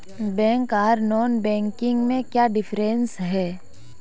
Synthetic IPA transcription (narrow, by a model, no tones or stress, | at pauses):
bɛ̃ːŋkaːɾnɔːnbɛ̃ːŋkɪ̃ŋɡmẽkjaːɖɪfʰɾensɦɛː